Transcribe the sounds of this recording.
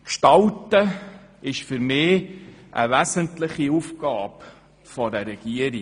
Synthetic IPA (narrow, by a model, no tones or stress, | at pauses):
kʃtɑltəɪʃfʏɾmɪːʔə̰ʋæsəntlɪχiufɡ̥ɑːp | fɔdɛrɾɛɡ̥iəɾi